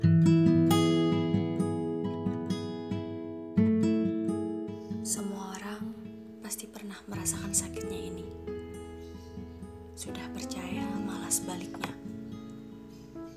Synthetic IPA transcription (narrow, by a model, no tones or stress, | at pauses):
səmuaoɾaŋ | past̪ipərnahməɾasakansakɪt̪̚ɲaini | sudahpərt͡ʃajamalasəbalɪkɲa